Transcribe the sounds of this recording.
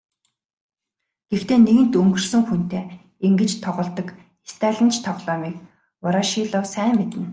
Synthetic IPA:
ɡ̥ext̪eːneɣɘ̆nt̪ɵŋɡɵ̆rsɵ̆ŋxun̥t̪eː | eŋɡɘ̆t͡ɕt̪ʰɔʁɞ̆ɮt̪ɞ̆k | est̪ʰæːɮə̆nt͡ɕʰt̪ʰɔʁɮɔːmiːk̚ | ʊɾaʃiːɮɔːsæːŋmet̪ɘ̆n

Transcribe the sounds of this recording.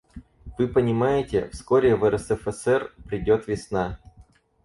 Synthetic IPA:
v̥ɨpənʲɪmajɪtʲɪ̰fskoɾʲɪvɛɾəsɛfɛsɛrpɾʲɪdʲo̞t̪vʲɪsna

